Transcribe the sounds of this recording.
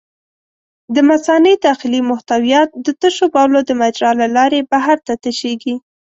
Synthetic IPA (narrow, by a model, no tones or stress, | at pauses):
d̪əmasɑned̪ɑxɪlimʊht̪awjɑt̪̚d̪ət̪əʃobɑlod̪əmad͡ʒɾɑlalɑɾebaɦaɾt̪at̪əʃeɡi